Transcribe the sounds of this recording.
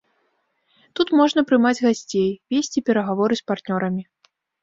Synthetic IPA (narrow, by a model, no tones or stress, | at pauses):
t̪ut̪mɔʐnɐpɾɨmad͡zʲɣasʲt͡sʲejvʲesʲt͡sʲipʲɛɾɐɣavɔɾɨspart̪nʲɔɾɐmʲi